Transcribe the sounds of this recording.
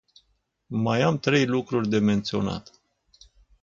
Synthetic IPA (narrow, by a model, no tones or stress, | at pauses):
majamt̪ɾe̞jlukɾurʲd̪e̞me̞nt̪sio̞na̰t̪